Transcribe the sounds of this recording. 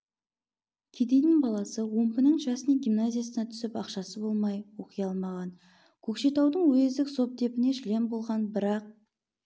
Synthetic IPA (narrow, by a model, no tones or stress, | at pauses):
kʲʰed̪ejnɪŋbɑlˠɑsəwo̞mpənəɴʒɑsənɑɡʲimnazʲijasənɑt̪ʰʏ̥sɪpɑqʃɑsəbo̞lˠmɑjwo̞qəjɑlˠmɑʁɑn | kʲʰɵkʃe̞t̪ɑwd̪əɴwɵzd̪ɪkso̞p̚d̪e̞pɪne̞ʃle̞mbo̞lˠʁɑnbɪɾɑq̚